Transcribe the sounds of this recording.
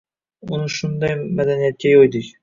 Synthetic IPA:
ʊnɨʃʊnd̪ɑjmad̪anijat̪̚kʲajojd̪ɪkʲ

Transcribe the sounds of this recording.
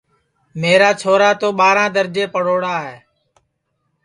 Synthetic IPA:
meːɾaːt͡ʃʰoːɾaːt̪oːɓaːɾãːd̪əɾd͡ʒeːpəɽoːɽaːɦeː

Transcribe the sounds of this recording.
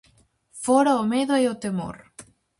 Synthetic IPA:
foɾaomeðoeot̪emo̰ɾ

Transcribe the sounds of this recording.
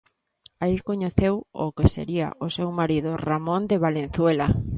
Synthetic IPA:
aikoɲeθewo̰kesḛɾia̰ʔosewmaɾiðʊramõnd̪eβalen̟θwela

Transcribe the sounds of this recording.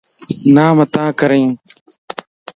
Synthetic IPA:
nãːmət̪ãːkəɾẽː

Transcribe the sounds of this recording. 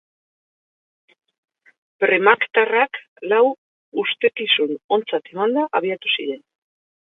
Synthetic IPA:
pɾe̞makt̪arak | law | ust̪e̞kisuno̞nt͡sat̪e̞mand̪aʔaβ̞iat̪usiɾe̞n

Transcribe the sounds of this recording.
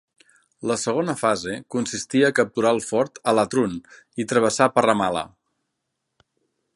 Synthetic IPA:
ləsəɣ̞onəfazekunsist̪iəːkəp̚t̪uɾalˠfɔɾt̪ələt̪ɾun | it̪ɾəβ̞əsapərəmalə̰

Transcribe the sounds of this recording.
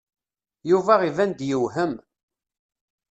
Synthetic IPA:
juvæʁivænd̪jəwɦəm

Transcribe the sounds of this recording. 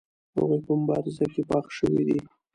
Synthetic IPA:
ha̰ɣojpəmʊbɑɾɪzakepɑχʃəwid̪i

